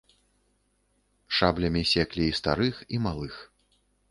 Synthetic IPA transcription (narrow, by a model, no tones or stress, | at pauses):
ʂablʲɐmʲisʲɛklʲiːst̪a̰ɾɨximalˠɨx